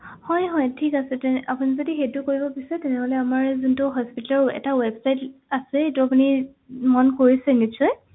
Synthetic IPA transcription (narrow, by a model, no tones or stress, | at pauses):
hɔjɦɔjtʰikasɛtɛapunizodixejtʊkoɹibɔpisɛtɛnɛɦolɛamaɹzuntʊɦɔspitaɹɛ̰tawɛbsajtasɛetuapuni | mɔnkoɹisɛnisɔj